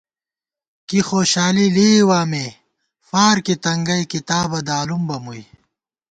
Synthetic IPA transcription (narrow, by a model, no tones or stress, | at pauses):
kixoːɕaːliliːwaːme | faːɾkit̪ɐŋɡɐjkit̪aːbɐd̪aːlumbɐmuj